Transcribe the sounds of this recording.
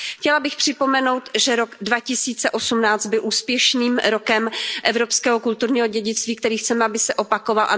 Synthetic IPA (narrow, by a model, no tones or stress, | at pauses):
xcɛlabɪxpr̝̥ɪpo̞mɛnowt̪ʒɛɾo̞ɡdvacɪsiːt͡sɛʔo̞sumnaːt͡st̪̚bɪlʔuːspjɛʃniːmɾokɛmʔɛvɾo̞pskɛːɦokult̪uɾɲiːɦo̞ɟɛɟɪt͡st̪viːk̚t̪ɛɾiːxt͡sɛmɛabɪsɛʔo̞pakovalʔa̰